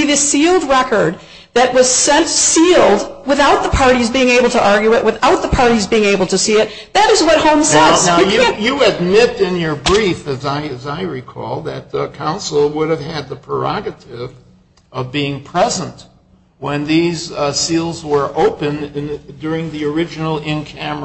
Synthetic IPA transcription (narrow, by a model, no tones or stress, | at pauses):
iðɪsilˠd̚ɹɛkə˞d̪̚ | ðɨʔ̚wʌz̥sɛ̃ntsilˠdwɨθaʊt̪̚ðəpʰɑɹɾizbiɪ̃ŋeɪbl̩ˠtʰəʔɑɹɡjʉɨʔ̚wʔɨθaʊt̪̚ðəpʰɑɹɾizbiɪ̃ŋeɪbl̩ˠtʰɨsiɨt̪̚ | ðɨɾɨzwʌt̚hõʊ̃msɛ̃naʊjjɨɨd̚mɪɾɪ̃njə˞bɹifɨzaɪzaɪɹikʰɔ̰lˠðɨt̚kʰãʊ̃nsl̩ˠwʊɾɨv̥ɨd̪̚ðəpʰɹ̥ə̰˞ɑ̰ɡɨɾɪv | ʌvbiɪ̃ŋpʰɹ̥ɛzə̃nt | wə̃nðizsilˠzwə˞ʔoʊpɨ̃ndʊɹɪ̃ŋðiə˞ɪd͡ʒɨn̩l̩ˠɪ̃nkʰæm